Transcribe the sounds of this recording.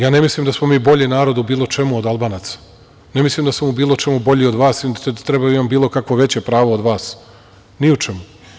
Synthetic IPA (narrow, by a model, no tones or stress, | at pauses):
jaːnemislimd̪asmomiːbo̞ʎinaːɾo̞d̪ubiːlˠo̞t͡ʃe̞muod̪alˠbaːnat̪sḁ | nemislˠimd̪asamubiːlˠo̞t͡ʃe̞mubo̞ʎio̞d̪ʋaːsit̪ɾebajimambiːlˠo̞kakʋoʋe̞t͡ɕepɾaːʋood̪ʋaːs | niut͡ʃemu